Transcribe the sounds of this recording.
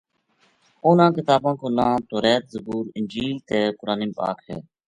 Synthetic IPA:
oːnãːkɪt̪aːbãːkoːlãːt̪oːɾeːt̪̚zəbuːɾɪnʲd͡ʒiːlt̪eːkʊɾaːnĩːpa̰ːkɦḛː

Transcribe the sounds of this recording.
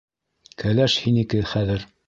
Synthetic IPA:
kælæʃhinikɘχæðɘɾ

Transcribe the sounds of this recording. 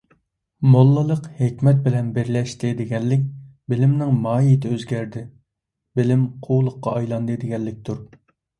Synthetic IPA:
molˠːɨlˠəqhekʲmɛt̪̚bɪlɛnbɪɾlɛʃt̪ʰɪd̪ɪɡʲɛlːɪk̚ʲbɪlɪmnɪŋmɑːit̪ʰɪøzɡʲɛɾd̪ɪ | bɪlɪmqʰowlˠʊqːɑɑjlˠɑnd̪ɨd̪ɪɡʲɛlːɪk̚ʲt̪ʰuɾ

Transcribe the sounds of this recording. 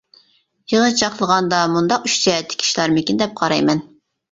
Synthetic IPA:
jɨlˠət͡ʃʰɑχlˠəʁɑnd̪ɑmund̪ɑqyt͡ʃd͡ʒ̪ɛɛt̪ʰːɪ̥kʲʰi̥ʃlˠɑɾmɪkʲind̪ɛp̚qʰɑɾɑjmɛn

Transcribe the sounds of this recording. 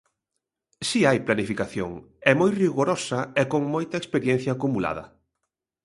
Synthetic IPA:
siajplanifikaθjo̰ŋ | ɛmojriɣoɾɔsɐɛkoŋmojt̪ɐekspeɾjɛn̟θjaːkumula̰ðɐ̰

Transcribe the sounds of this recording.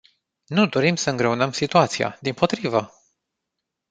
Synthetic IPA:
nud̪o̞ɾimsəɨŋɡɾe̞unəmsit̪uat̪sija̰d̪impo̞t̪ɾivə

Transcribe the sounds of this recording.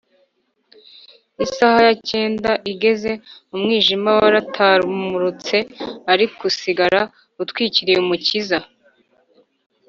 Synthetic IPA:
isahajace̞ːndaʔiɡe̞ze̞umŋiːʒimawaɾatʰaːɾumuɾut͡se̞aɾikusiɡaɾa | utwiːciɾijeumuciza

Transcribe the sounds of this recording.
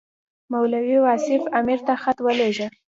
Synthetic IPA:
mawlawiwasɪfamiɾt̪axat̪wəleʒə

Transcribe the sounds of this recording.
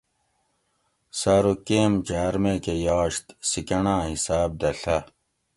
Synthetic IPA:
saːɾukeːmd͡ʑaːɾmekejaːɕt̪sikɐɳãːɦisaːb̚d̪ɐɬɐ

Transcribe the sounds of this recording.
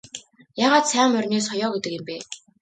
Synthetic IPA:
jaːʁaːt̪sæːmːœrʲneːsχɔjɔːɡet̪ə̆kjɪ̆mpeː

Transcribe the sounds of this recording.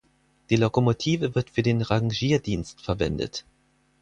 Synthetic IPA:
d̥iːlokomotʰiːvəvɪɐtfyːɐdeːnʁaŋʒiːɐdiːnstfɛɐvɛ̰ndə̰t

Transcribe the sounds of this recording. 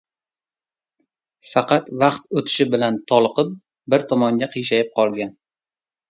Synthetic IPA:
fɑqɑt̪vɑqt̪ot̪ʰɪ̥ʃɪbɪlant̪ʰɒlˠqɨp̚ | bɪɾt̪ʰɒmɒŋɡʲaqʰɨjʃajɪp̚qʰɒlˠɡʲan

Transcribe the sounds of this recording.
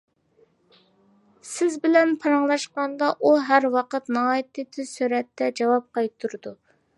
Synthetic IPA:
sɪzbɪlɛnpʰɑɾɑŋlˠɑʃqɑnd̪ɑʔuɦæɾwɑqət̪nɑɦɑːjit̪ɪt̪ʰɪsyɾɛt̪ːɛd͡ʒɑwɑp̚qʰɑjt̪ʰːuɾɨd̪u

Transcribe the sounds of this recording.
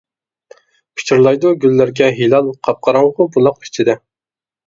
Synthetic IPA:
pʰi̥t͡ʃʰɪɾlˠɑjd̪uɡʲylːæɾɡʲɛɦilˠɑlˠqʰɑp̚qʰɑɾɑŋʁʊbulˠɑqi̥t͡ʃʰid̪ɪ

